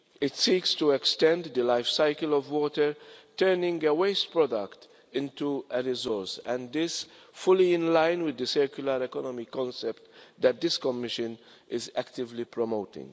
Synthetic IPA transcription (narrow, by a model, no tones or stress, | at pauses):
ɪtsikstuɛkstɛ̃ndðɨlaɪfsaɪkəlɔvwɔtə˞tʰɜ˞nɪ̃ŋəweɪstpɹɔdəkt | ɪ̃ntuəɹɪzɔɹsæ̃nðɪs | fʊliɪ̃nlãɪ̃nwɪðɨsɛ˞kjuləɹɛkɔnɔmikɔ̃nsɛp̚td̪æt̚d̪ɪskɔmɪʃə̃n | ɪzæktɪvlipʰɹɔmoʊtɪ̰̃ŋ